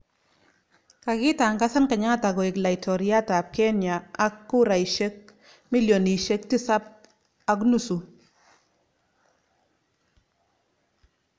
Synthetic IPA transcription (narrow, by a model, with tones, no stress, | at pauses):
ka˨kɪ˦ta˨ŋɡa˦sa˦nka˨ɲa˦a˦ta˨ɡɔ˨ɪ˨kla˨i˨tʰɔ˨ɾja˦ta˨p̚ke˦nja˨a˦kːu˦ɾa˨i˨ʃe˦k̚ | mi˦ljo˨ni˨ʃe˦k̚ti˦sa˦p̚ | a˦k̬nu˦su˨